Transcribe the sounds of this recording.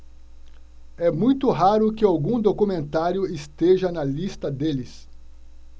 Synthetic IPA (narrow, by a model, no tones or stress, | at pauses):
ɛmũj̃t̪ʊɦaɾʊkɪawɡũd̪okumẽnt̪aɾjʊɪst̪eʒɐnɐlist̪ɐd̪elɪs